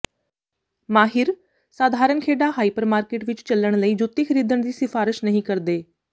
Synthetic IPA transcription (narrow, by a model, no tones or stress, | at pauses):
maːɦɪɾ | saːd̪ʱaːɾənkʰeːɖaɦaːiːpəɾmaːɾkeːʈʋɪt͡ʃt͡ʃələɽ̃ləiːd͡ʒʊt̪iːkʰəɾiːd̪əñd̪iːsɪfaːɾɪʃnəɦĩːkɐɾd̪eː